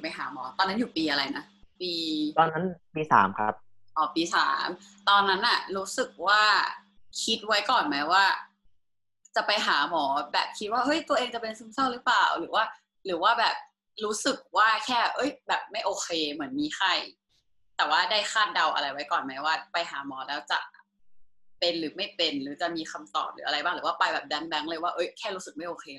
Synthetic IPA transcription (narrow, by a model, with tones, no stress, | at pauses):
pa˧jɦaː˩˦mɔː˩˦t̪ɔː˧nːa˦˥njuː˨˩piː˧ʔa˧ɾa˧jna˦˥piː˧t̪ɔː˧nːa˦˥npiː˧sa̰ː˩˦mkʰɾa̰˦˥p̚ | ʔɔː˨˦piː˧sa̰ː˩˦mt̪ɔː˧nːa˦˥nʔa˨˩ɾuː˦˥sɯ˨˩k̚waː˥˩ | kʰi˦˥t̪̚wa˦˥jkɔː˨˩nmɛ˦˥waː˥˩ | t͡ɕa˨˩pa˧jɦaː˩˦mɔː˩˦bɛː˨˩p̚kʰi˦˥t̪̚waː˥˩ʔɤ˦˥˩jt̪u˧ɐʔeː˧ŋt͡ɕa˨˩pe˧nsu˧˥˩msa˥˩wɾɯː˦˥plaː˨˩wɾɯː˩˦waː˥˩ | ɾɯː˩˦waː˥˩bɛː˨˩p̚ | ɾuː˦˥sɯ˨˩k̚waː˥˩kʰɛː˥˩ʔɤ˦˥jbɛː˨˩p̚ma˥˩jʔoː˧kʰeː˧mɯ˩˦ənmiː˧xʰa˧˩j | t̪ɛː˨˩waː˥˩da˥˩jxʰaː˥˩t̪̚da˧wʔa̰˧ɾa˧jwa˦˥jkɔː˨˩nma˦˥jwaː˥˩pa˧jɦaː˩˦mɔː˩˦lɛː˦˥wt͡ɕa̰˨˩ʔ | pe˧nɾɯː˩˦ma˥˩jpe˧nɾɯː˩˦t͡ɕa˨˩miː˧kʰa˧mt̪ɔ̰ː˨˩p̚ɾɯ̰ː˦ʔɾa˧jbaː˥˩ŋɾɯː˩˦waː˥˩pa˧jbɛː˨˩p̚da˦˥ŋda˦˥ŋlɤː˧jwaː˥˩ʔɤ˦˥jkʰɛː˥˩ɾuː˦˥sɯ˨˩k̚ma˥˩jʔoː˧kʰeː˧